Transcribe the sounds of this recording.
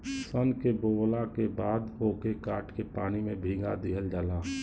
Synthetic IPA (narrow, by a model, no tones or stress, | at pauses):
sənkeboːlakebaːd̪oːkekaːʈkepaːnimẽbʱiːɡad̪iɦəld͡ʒaːlaː